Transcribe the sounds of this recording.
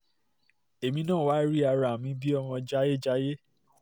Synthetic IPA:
e˨mĩ˧˦nãː˦˨wa˦ɾi˦a˧ɾa˨mĩ˧˦bi˦ɔ˧m̃ɔ̃˧d͡ʒa˦je˦˨d͡ʒa˦je˦

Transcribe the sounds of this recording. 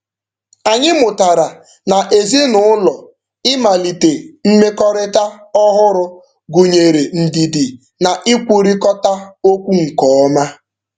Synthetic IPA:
a˨ɲɪ˦mʊ˨ta˨ɾa˨ | na˨ʔe˨zi˦nʊ˦ʊ˦lɔ˨ | ɪ˦ma˨li˨te˨m̩˦me˦kɔ˦ɾɪ˦ta˦ɔ˦ɦʊ˦ɾʊ˦ | ɡu˨ɲe˨ɾe˨n̩˨di˨dɪ˨ | na˨ʔɪ˦kʷu˨ɾi˦kɔ˦ta˦o˦kʷu˦ŋ̩˨kɔ˨ɔ˦ma˦

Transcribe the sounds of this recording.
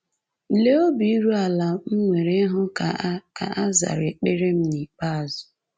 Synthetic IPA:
le˦o˦bi˨i˦ɾu˦a˨la˨m̩˦ŋʷe˨ɾe˦ɦʊ˦˨˦ka̰˨a˦za̰˨ɾe˨k͡pe˦ɾe˦m̩˦ni˨k͡pa˦a˨zʊ̥˨

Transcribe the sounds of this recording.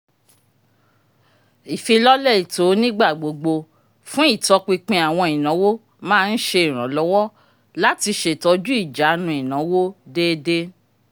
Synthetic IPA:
i˨fi˧lɔ˦lɛ˦˨i˨to˨˦nĩ˦ɡ͡ba˦˨ɡ͡bo˨ɡ͡bo˧ | fũ˦i˦˨tɔ˧k͡pi˧k͡pĩ˧a˨w̃ɔ̃˧i˨nã˨˦wo˦ | mãː˦˧n̩˦ʃe˧i˨ɾ̃ã˨˦lɔ˨˦wɔ˦ | la˦ti˧ʃe˨tɔ˧d͡ʒu˦i˦˨d͡ʒa˨˦nũ˧˦i˨nã˨˦wo˦de˦de˦

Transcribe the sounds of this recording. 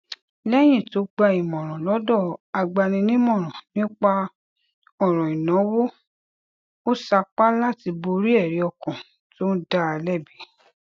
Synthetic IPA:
lɛ˦j̃ĩ˦˨to˨˦ɡ͡ba˧i˨mɔ̃˨ɾ̃ɔ̃˨lɔ˨˦dɔ˦˨a˧ɡ͡ba˧nĩ˧nĩ˦mɔ̃˦˨ɾ̃ɔ̃˨nĩ˦k͡pa˦ | ɔ˦˨ɾ̃ɔ̃˨i˨nɔ̃˨˦wo˦ | o˦sa˧k͡pa˦la˦ti˧bo˧ɾi˦ɛ˦˨ɾi˨˦ɔ˧˨kɔ̃˨ | to˦n̩˦da˦a˧lɛ˦˨bi˨˦

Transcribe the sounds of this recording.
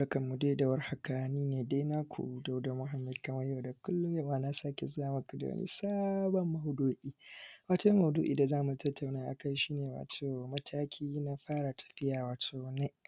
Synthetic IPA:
ɽkɐ˨mːu˨de˦da˨wɐ˦rha˦ka˨niː˦neː˨deː˦na˦kʷʰṵ˨do˨wda˨mʊ˦ɦa˨˦mːɪ˦dkɐ˨mɐ˦ja˦˨da˨kʊ˦lːʊ˦jɐ˦˨waː˨na˦saː˦kʲe˨zʊ˦jaː˨mɐ˦ku˨da̰˨ɐ̰˦nḭ˦saː˦bɔ˨mːɐ˦hʊ˦doː˦ʔiː˦waː˦to˦mɐ˨hʊ˨dṵ˦ʔḭː˨da˨zaː˦mu˨tʰɐ˦tːa˨wnaː˦ʔa˨ka˦jʃiː˦neː˨wa̰ː˨tʰoː˨mɐ˦tʰaː˦kʲʰiː˦na˦ɸaː˦ɽa˨tʰɐ̥˨ɸɪ˦jaː˨waː˨tʰoː˨ne˦ʔ

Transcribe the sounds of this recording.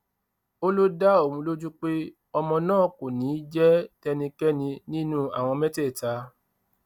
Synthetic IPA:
o˦lo˦da˦o˦˨wũ˨˧lo˦d͡ʒũ˦k͡pe˦ | ɔ˧mɔ̃˧nãː˦˨ko˨nĩ˨˦d͡ʒɛ˦tɛ˧nĩ˧kɛ˦nĩ˧nĩ˦nũ˦a̰˨w̃ɔ̃˧mɛ̃˦tɛ˦˨ta˨˧˦

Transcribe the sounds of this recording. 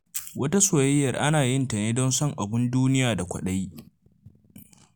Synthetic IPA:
wʔɐ˦ta˦soː˨jɐ˦jːɐ˨rʔa˦naː˨jɪ˦nta˨neː˦dɔ˦nsɔ˦ŋʔa˨bɪ˦nduː˦nɪ˦jaː˨da˨kʷɐ̰˨ɗa˦j

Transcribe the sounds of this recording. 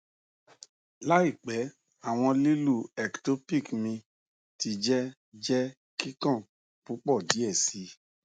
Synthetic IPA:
la˦i˦˨k͡pɛ˨˦ | a˦˨w̃ɔ̃˧li˦lu˦˨ɛ˨kto˨˦pi˦˨kmĩ˧ | ti˧d͡ʒɛ˦ | d͡ʒɛ˦ | ki˦kɔ̃˦˨ | pu˨˦k͡pɔ˦˨di˨˦ɛ˦˨si˧˦

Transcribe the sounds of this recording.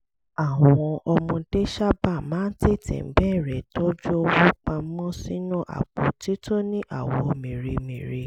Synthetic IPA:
a˦˨w̃ɔ̃˧ʔɔ˧mũ˧de˦ʃa˦ba˦˨mãː˨˦n̩˦te˦˨tɛ̰̃˨m̩˨˦bɛː˦˨ɾɛ˨to˦d͡ʒu˦o˧wu˦k͡pã˧m̩˦mɔ̃˦sĩ˦nũ˦˨ʔa̰˨k͡po˨ti˦to˦nĩ˦ʔa˨wɔ˧mĩ˨ɾe˧mĩ˨ɾe˧

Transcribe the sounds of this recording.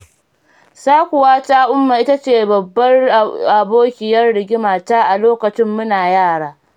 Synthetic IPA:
saː˦kʷʊ˨waː˦taː˦ʔʊ˦mːaː˨ʔɪ˦ta˦t͡ʃeː˦˨bɐ˨bːɐ˦rʔa˨boː˦kʲɪ˨jɐ˦rɽɪ˨ɡʲɪ˦maː˨taː˦ʔa˨loː˦kɐ˨t͡ʃɪ˦mːʊ˦naː˨jaː˦˨ɽaː˦

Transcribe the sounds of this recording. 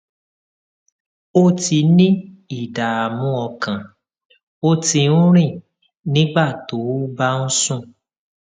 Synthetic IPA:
o˦ti˧nĩ˦i˦˨da˨a˨mũ˨˦ɔ˧kã˨ | o˦ti˧ũ˦ɾ̃ĩ˦˨ | nĩ˦ɡ͡ba˦˨to˨˦ba˦n̩˦sũ˦˨

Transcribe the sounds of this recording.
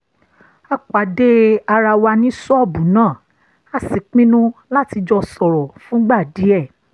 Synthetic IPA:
a˦k͡pa˨de˦a˧ɾa˧wa˧nĩ˦sɔ˦˨bũ˨˦nãː˦˨ | a˨˦si˨k͡pĩ˦nũ˦la˦ti˧d͡ʒɔ˧sɔ˨ɾɔ˨fũ˨˦ɡ͡ba˦˨di˨˦ɛ˦˨

